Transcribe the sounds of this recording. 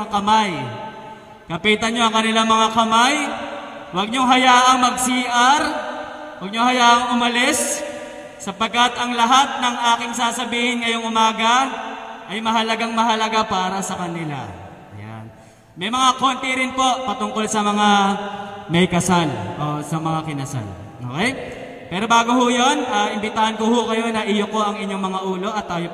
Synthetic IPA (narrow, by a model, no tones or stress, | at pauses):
kɐmaj | kɐpiːt̪ɐɲo̞ɐŋkɐnɪlaŋmɐŋakɐmaj | wɐɡ̚ɲoŋɦɐjaːʔɐŋmɐɡ̚siːʔɐɾ | wɐɡ̚ɲoŋhɐjaːʔɐŋʊmɐlɪsː | ɐpɐɡ̚kːɐt̪ɐŋlɐɦat̪̚nɐŋʔaːkɪŋsaːsɐbiːhɪnŋɐjoŋʔʊmaːɡɐ | ʔɐjmɐɦɐlɐɡaŋmɐɦɐlɐɡapaːɾɐsɐkɐnɪla̰ | ɐ̰ja̰n | mɐjmɐŋako̞ːnt̪iɾɪnpo̞ʔpɐt̪ʊŋko̞lsɐmɐŋa | mɛjkɐsalʔo̞sɐmɐŋakɪnɐsa̰l | ʔo̰kɛj | pɛːɾo̞baːɡohʊjo̞nʔaːɪmbɪt̪aːhɐnkohʊkɐjo̞nɐʔɪjoko̞ʔɐŋɪɲːo̞ŋmɐŋaʔuːlo̞ʔɐt̪ːaːjo